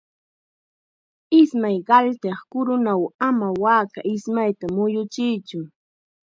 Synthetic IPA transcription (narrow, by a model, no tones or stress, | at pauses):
ɪsmajɢɑlt̪eχkʊɾʊnawamawaːkaʔɪsmajt̪amʊjʊt͡ʃɪjt͡ʃʊ